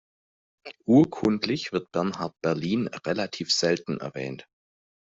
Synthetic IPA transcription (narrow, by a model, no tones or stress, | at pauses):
ʔuːɐkʰʊntʰlɪçv̥ɪɐt̚b̥ɛɐnɦaɐt̚b̥ɛɐliːnʁelatʰiːfz̥ɛltn̩ɛ̰ɐvɛ̰ːnt